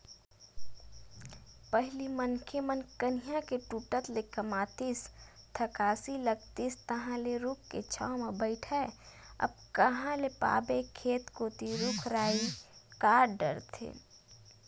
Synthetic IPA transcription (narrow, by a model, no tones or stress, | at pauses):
pəɦɪlimənkʰemənkənijãkeʈuːʈət̪lekəmaːt̪ist̪ʰəkaːsiləɡt̪ist̪əɦãleɾʊkʰket͡ʃʰa̰omebəɪʈʰɛe | ɐ̰b̚kəɦãlepa̰ːbekʰeːt̪koːt̪iɾʊkʰɾaːikaːɖɖə̰ɾt̪ʰḛ